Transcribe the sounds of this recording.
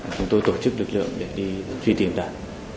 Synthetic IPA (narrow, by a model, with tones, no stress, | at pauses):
t͡ɕʊ˨˧ŋ͡mt̪o˧jt̪o˧˩t͡ɕɨ˦˥k̚lɨ˨˩k̚lɨ̰˧˨əŋɗe˧˩ɗi˧fi˧t̪i˧˩əmɗa̰ː˧˨ŋ